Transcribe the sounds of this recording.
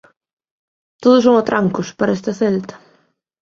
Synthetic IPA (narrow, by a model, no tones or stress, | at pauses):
t̪oðʊs̬owɐt̪ɾaŋkʊspaɾɐɛst̪ɐθɛlt̪ɐ̥